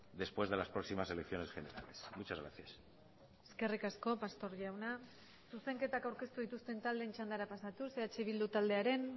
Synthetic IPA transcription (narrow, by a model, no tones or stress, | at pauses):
d̪e̞spwe̞zðe̞laspɾo̞ksimase̞lekθjo̞ne̞sxene̞ɾa̰le̞smut͡ʃazɣɾa̰θjas | eske̞rikasko̞past̪o̞ɾʝawna | suse̞ŋke̞t̪akawɾke̞st̪uð̞it̪ust̪e̞nt̪ald̪eːnt͡ʃand̪aɾapasat̪use̞at͡ʃeβild̪ut̪ald̪e̞aɾe̞n